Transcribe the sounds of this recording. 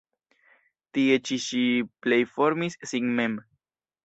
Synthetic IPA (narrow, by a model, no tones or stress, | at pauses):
t̪iet͡ʃiʃiplejfoɾmissiŋmem